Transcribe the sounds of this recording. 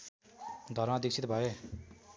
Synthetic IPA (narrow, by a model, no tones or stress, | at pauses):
d̪ʱʌɾmãd̪ik̚t͡ɕʰit̪̚bʱʌe